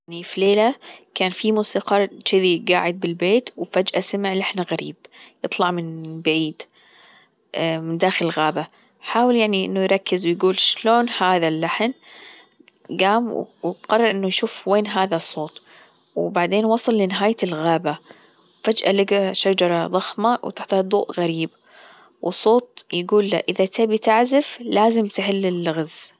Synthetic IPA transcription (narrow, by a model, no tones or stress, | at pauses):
anifileːlakaːnfimuːsiːqɑt͡ʃɪðiɡaːʕɪd̪̚bɪlbeːt̪wfad͡ʒʔasɪmɪʕlaħnaɣaɾḭːb̚jɨt̪ˤlɑʕmɪnbaʕiːd̪ | mɪnd̪aːxɪlɪlɣaːba | ħaːwɪljaʕniʔɪ̰nːujɾˤɑkːɪzwjɡuːlʃloːnhaːðalːaħn | ɡaːmwwqɑrˤːɑɾˤʔɪnːujʃuːfweːnɦaːðasˤːoːt̪ˤ | wbaʕd̪eːnwɑsˤɨlːinɪɦaːj̪ɪlɣaːba | wfad͡ʒʔa̰lɪɡaʃad͡ʒɑɾˤɑðˤɑxmawt̪aħt̪had̪ˤuːʔɣaɾiːb | wʔɪsˤoːt̪̚ˤjɡuːlːa̰ʔɪðat̪abit̪aʕzɪflaːzɪmt̪ħɪlːɪlːɣaz